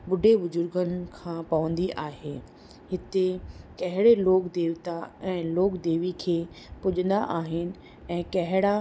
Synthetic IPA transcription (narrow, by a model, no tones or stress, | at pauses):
ɓʊɖʱeʋʊzʊɾɡənɪkʰãːpɐʋə̃nd̪iʔaːɦeː | ɦɪt̪ekɐɦɪɽeloːkd̪eːʋt̪aɛ̃ːloːkd̪eːʋikʰeː | pʊʄə̃nd̪aʔaːɦɪnɪ̆ | ɛ̃ːkɐɦɪɽa